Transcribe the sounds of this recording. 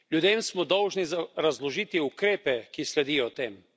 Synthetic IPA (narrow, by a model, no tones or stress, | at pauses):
lʲjud̪eːmsmɔd̪ɔwʒnizaɾazlɔʒit̪iukɾeːpɛkislɛd̪ijɔt̪eːm